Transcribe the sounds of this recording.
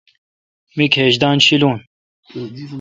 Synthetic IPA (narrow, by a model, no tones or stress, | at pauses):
mikʰheʒd̪aːnʃiluːn